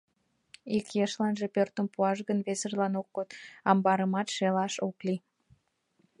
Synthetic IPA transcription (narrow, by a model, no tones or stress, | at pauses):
ikjeʃlɑnʒepørt̪əmpuɑʃ̬ɣənβesərlɑnok̚ːot̪ɑmbɑɾəmɑt̪ʃelɑʃokli